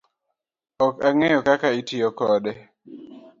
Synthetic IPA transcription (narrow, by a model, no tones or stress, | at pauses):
ɔkaŋɛjɔkakaitɪjɔkɔdɛ